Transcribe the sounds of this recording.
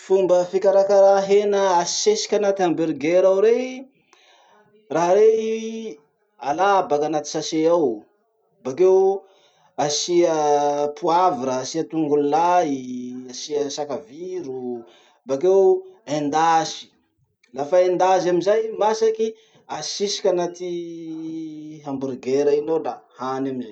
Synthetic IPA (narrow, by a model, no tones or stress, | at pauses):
fumbəfikaɾakaɾaɦenəasesi̥kʲanat̪ambeɾɡeɾawɾe | raɦɾe | alabakanat̪i̥saseaw | bakew | asiəpuaviɾəːsiət̪uŋɡullaiasiəsakaviɾu | bakewend̪asi̥ | lafaend̪azamizajmasaki | asisi̥kʲanat̪i | ɦambuɾiɡeɾəinodahanamizaj